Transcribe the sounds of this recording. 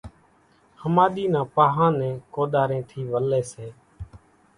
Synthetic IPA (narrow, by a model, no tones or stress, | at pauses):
həmaːɗ̪iːnãːpaːɦãːnɛ̃ːkoːɗ̪aːɾẽːt̪ʰiːʋəlːeːseː